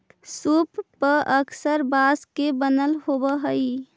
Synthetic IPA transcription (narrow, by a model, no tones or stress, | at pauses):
supːəəksəɾbaskebənəlɦobəɦəj